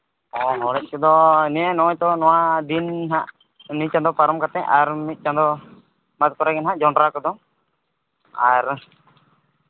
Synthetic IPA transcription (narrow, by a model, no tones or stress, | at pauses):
ɔnɔɽɛc̚ˀkɔd̪ɔniɛnɔat̪ɔnɔwad̪inɦaʔ | nit͡ʃãd̪ɔpaɾɔmkat̪ɛ̃ɲaɾmit̪̚ˀt͡ʃãnd̪ɔ | mat̪̚kɔɾaɡɛnɦaʔd͡ʒaɳɖɾakɔd̪ɔ | aɾ